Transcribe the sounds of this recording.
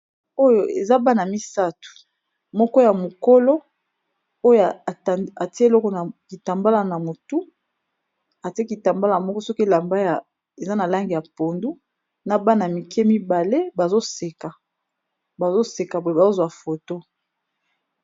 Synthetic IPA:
o˦jo˨ḛ˨za˦ba˦na˨mi˦sa˦tu̥˨ | mɔ˦kɔ˦ja˨mo˨ko˦lo˦ | o˦ja˨ti˦lɔ˦kɔ˨na˨ki˨ta˨mba˦la˨na˨mo˨tu˦ | a˨ti˦e˦ki˨ta˨mba˦la˦˨a˨mɔ˦kɔ˦sɔ˦ki˦la˨mba˦ja˨ | e˨za˦na˨la˦ŋɡi˨ja˨po˨ndu˦ | na˨ba˦na˨mi˨ke˦mi˦ba˨le˦ba˨zo˦se˨ka˨ | ba˨zo˦se˨ka˨bo˨˦e˨ba˨zo˦zwa˨fo˨to˦

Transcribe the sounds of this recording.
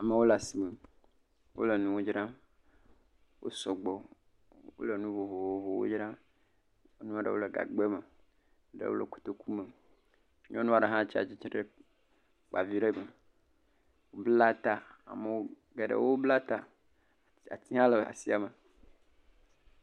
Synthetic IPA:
a˨me˨wo˦la˨si˨me˨ | wo̰˦lə˨nũ˦wo˦d͡ʒɾã˦ | wʔo̰˦sɔ˨ɡ͡bɔ˨ | wo̰˦lə˨nũ˦vo˨vo˨wo˨vo˨wo̰˦d͡ʒɾã˦ | o˦nũ˦a˨ɖə̰˨wo˦lə˨ɡa̰˨ɡ͡be˦mə˨ | ɖə̰˦wo̰˦lə̰˨ko̥˨t̪o˦ku˦me˨˦ | ɲɔ̃˦nũ˦a˦ɖə˨ɦã˦˨t͡ʃi˦a̰˨t͡ʃi˦t͡ʃɾə˦ | k͡pa˨vi˦ɖə˦mə˨ | wo˦bla˦t̪a˦a̰˨me˨wo˦ | ɡe˨ɖə̰˨wo˦bla˦t̪a˦ | a̰˨t̪i˦ɦã˦lə˨a̰˨si˦a˨me˨

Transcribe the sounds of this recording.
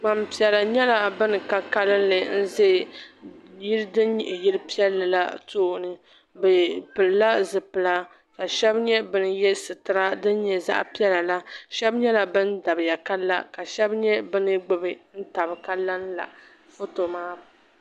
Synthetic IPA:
ma˨m˨pi˨ɛ˨la˨ɲɛ˦la˨bɨ˦nɨ˨ka˦ka˦lɨ˦n˦lɨ˨n̩˦ze˦˨ | ji˦ɾdɨ˦nɲi˨ʔɪ˨ji˦lɨ˦pi˦ɛ˦lːɨ˨la̰˦toː˦˨nɨ˦ | bɨ˨pɨ˨lːa˦zɨ˨pɨ˨la˦ | ka˨ʃɛ˦bɲɛ˦bɨ˦nɨ˦jɛ˦sɨ˨tɨ˨ɾa˦dɨ˦n˦ɲɛ˨za̰˦ʔpi˦ɛ˦la˨la˦ʃɛ˦bɲɛ˦la˨bɨ˦nda˨bɨ˨ja˨ka˦lːa̰˦ka˨ʃɛ˦bɲɛ˦bɨ˦nɨ˦ɡ͡bɨ˦bɨ˨n̩˦ta˨bɨ˨ka˦la˦n˦la̰˨ | fo˦to˨maː˦b

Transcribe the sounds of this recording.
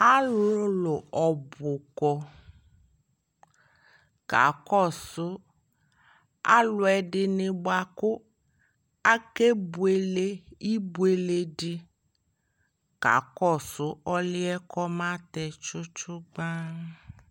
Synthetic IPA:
a˦lʊ˦lʊ˨ɔ˨bʊ˨kɔ˨ | ka̰˨kɔ˦˨sʊ˨˦ | a̰˦lʊ˨˦ɛ˨ɖɪ˨nɪ˨bʊ˦a˨kʊ˦ | a˦ke˦bu˨e˨le˦i˦bu˦e˨le˨dɪ˦ | ka̰˨kɔ˦˨sʊ˦ɔ˦lɪ˦ɛ˦kɔ˦mã˦t̪ɛ˨t͡ʃʊ˦t͡ʃʊ˦ɡ͡ba˦

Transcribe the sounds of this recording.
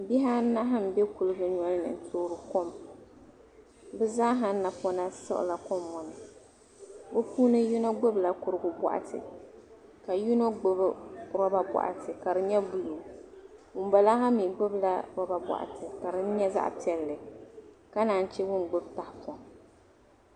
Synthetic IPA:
bi˦ɦa˦na˦ɦa˦m̩˨bɛ˦ku˨lɨ˦ɡɨ˦ɲɔ˦lnɨ̰˨n̩˦tʰoː˦ɾɨ˨ko˦m | bɨ˦zaː˦ɦa˦n˦na˨pɔ˦na˦sɨ̰˦ʔʊ̰˨la˨kɔ˦mːɔ˨nɨ˨ | bɨ˦puː˦nɨ˦ju˦no˦ɡ͡bʊ˦bla˦kʊ˨ɾɨ˦ɡʊ˨bɔ̰˨ʔa̰˨tʰɨ̰˨ | ka˨ju˦no˦ɡ͡bʊ˦bɾɔ˦ba˦bɔ̰˨ʔa̰˨tʰɨ˨ka˨ɾɨ˨ɲɛ˦bu˦lu˨ | wʊ˨m˦ba˨la˦ɦa˦mi˨ɡ͡bʊ˦bla˦ɾɔ˦ba˨bɔ̰˨ʔa̰˨tʰɨ˨ka˨ɾɨ˦n̩˦ɲɛ˦za̰˦ʔpi˨˦ɛ˨lːɨ˨ka˦naː˨n˦t͡ʃɛ˦wʊ˦nɡ͡bʊ˦bta˨hpɔ˨m

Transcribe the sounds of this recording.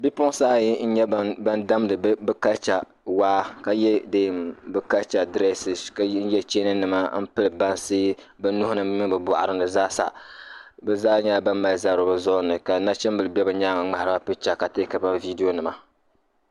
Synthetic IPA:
bi˦pʊ˦saː˦ji˦n̩˦ɲɛ˦ba˦nda˦mdɨ˨˦bɨ˦ka˦t͡ʃa˨ | waː˦ka˨jɛ˦deː˦˨mbɨ˦ka˦t͡ʃa˨dɾɛ˦sɪ˨ska˦jɛ˦t͡ʃeː˦nɨ˦nɨ˨ma˦m̩˦pɨ˦lɨ˨ba˦nsɨ˦ | bɨ˦nʊ˦hʊ˦nɨ˦ɨ˦mi˦bɨ˨bʊ˨ʔa̰˨ɾɨ˦nɨ˨zaː˦sa̰˨ | bɛ˨zaː˦ɲa˦˨ba˦mːa˨za˦ɾɨ˨bɨ˨zɔ˦nɨ˨ka˨na˦t͡ʃɛ˦mbɨ˨lɨ˨bɛ˦bɨ˨ɲaː˦ŋa˨ŋ͡ma˨ɾɨ˦ba˦pɨ˦t͡ʃa˨ka˨te˦ka˨ba˦vi˦di˦jo˦nɨ˨ma˨

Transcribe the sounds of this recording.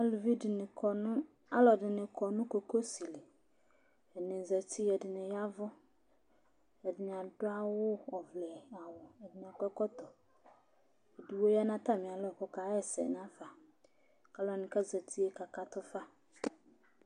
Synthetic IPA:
a˦lu˨vi˦dɪ˨nɪ˨kɔ˨nʊ̃˦ | a˦lɔ˨dɪ˨nɪ̃˨kʰɔ˨nʊ̃˦ko˨ko˦si˨le˨ | ɛ˨nɪ̃˨zɛ˨tʰi˦ɛ˨dɪ˨nɪ̃˨ja˦vʊ˦ | ɛ˨dɪ˨n˨a˨dʊ˦a˦wʊ˦ɔ˨vlɛ˨a˨wʊ˨ɛ˨dɪ˨n˨a˨kɛ˦kɔ˦t̪ɔ˨ | e˨di˨wo˦ja˦nã˦t̪a˦˨mɪ̃˨a˨lɔ˨kɔ˦ka˨˦ɛ˨sɛ̰˨n˦a˦fa˨ | ka˨lɔ˨nɪ̃˨ka˦za˨t̪ʰi˦e˦ka˨ka˦t̪ʊ˦fa˦

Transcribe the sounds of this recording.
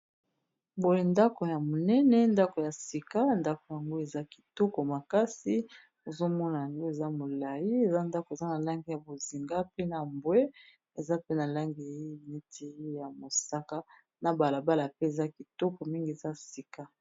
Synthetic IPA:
bo˨je˨nda˦ko˨ja˨mo˨nɛ˦nɛ˦nda˦ko˨ja˨si˨ka˦nda˦ko˨ja˨ŋɡo˦e˨za˦ki̥˨tɔ˦kɔ˨ma˨ka˦si˦ | o˨zo˦mɔ˦na˨ja˨ŋɡo˦e˨za˦mo˨la˨ji˦e˨za˦nda˦ko˨e˨za˦na˨la˦ŋɡi˨ja˨bo˨zi˨ŋɡa˦pe˦na˨mbwe˦ | e˨za˦pe˦na˨la˦ŋɡi˨˦e˦˨ne˦tʰi˨˦ja˨mo˨sa˦ka˦ | na˨ba˨la˨ba˦la˨pe˦e˨za˦ki˨tɔ˦kɔ˨mi˦ŋɡi˨e˨za˦si˨ka˦

